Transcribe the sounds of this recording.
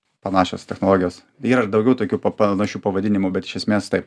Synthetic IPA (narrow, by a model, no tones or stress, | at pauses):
pɐnɑːʃʲo̰ːst̪ʲɛxnoːlˠoːɡʲɪjoːs | iːɾɐd̪ɒʊɡʲɛʊt̪oːkʲuːpɐpɐnɐʃʲuːpɐʋɐd̪ʲɪnʲɪmʊbʲɛt̪ɪ̥ʃʲɛsʲmʲeːst̪ɐɪp